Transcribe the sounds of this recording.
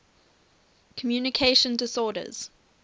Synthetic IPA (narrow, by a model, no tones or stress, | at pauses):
kʰəmjuːnɪkʰeɪʃə̃ndɪsɔːdə̰z̥